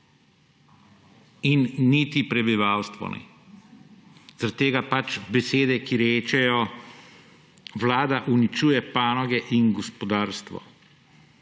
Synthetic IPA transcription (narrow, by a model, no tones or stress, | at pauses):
inːit̪ipɾɛbiʋaːwst̪ʋɔ̰nɛ̰ | z̥aɾat̪ːeːɡapat͡ʃbɛseːd̪ɛkiɾeːt͡ʃɛjɔ | wlaːd̪aʔunit͡ʃuːjɛpaːnɔɡɛʔinɡɔspɔd̪aːɾst̪ʋɔ̰